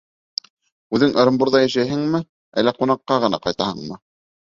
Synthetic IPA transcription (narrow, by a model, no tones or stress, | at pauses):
ʉðɘŋʔɤ̆ɾɤ̆mbuɾðɑjæʃæjɦɘŋmɘ | æ̰lːæqunɑqːɑʁɤ̆nɑ̰qɑjt̪ɑhɤɴmɤ